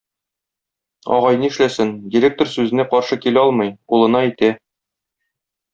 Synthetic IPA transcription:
ɒ̰ʁɑjnɤɘʃlæsɘnd̪ʲiɾʲek̚t̪orsʉzɘ̆næqɒɾʃɤkilæɒlˠmɤjulˠɤ̆nɑit̪æ

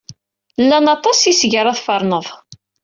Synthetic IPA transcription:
lːænɑt̪ˤɑsisʝəɾˤɑθfəɾˤnəðˤ

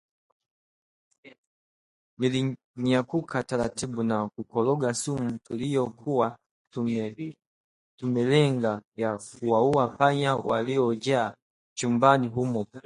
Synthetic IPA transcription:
nili | ɲakukʰataɾatiɓunakukɔlɔɡasumutulijɔkʰuwa | tumɛlɛŋɡajakuwauwapaɲawa̰liɔd͡ʒaː | t͡ʃumbaniɦumɔ

